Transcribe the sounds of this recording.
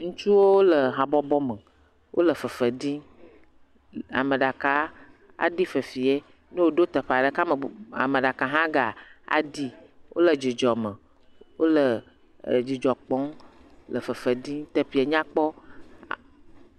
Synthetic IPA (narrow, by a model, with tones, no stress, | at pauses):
ŋũ˦t͡ʃu˦wo˦wlə˨ɦa˨bɔ˦bɔ˦mə˨ | wʔo̰˦lə˨fə˨fə˨di˦ | a̰˨mə˨ɖa˨ka˨ | a̰˨ɖi˦fə˨fi˨e˦ | ne˦wo˨ɖo˦t̪ə˨ɸa˨ɖə˨ka˦mə˨a̰˨mə˨ɖa˨ka˨ɦã˦ɡa˨a̰˨di˦wʔo̰˦lə˨d͡ʒi˨d͡ʒɔ˨mə˨ | wo˦lə˨ | d͡ʒi˨d͡ʒɔ˨k͡pɔ̃˨˦lə˨fə˨fə˨di˦t̪ə˨ɸi˨e˨ɲã˦k͡pɔ˦˨